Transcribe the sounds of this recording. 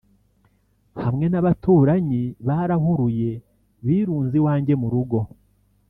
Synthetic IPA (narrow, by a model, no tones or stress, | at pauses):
hamŋe̞naβatuːɾaɲiβaɾaɦuɾuje̞ | βiːɾuːnziwaːɲɟe̞muɾuɡo̞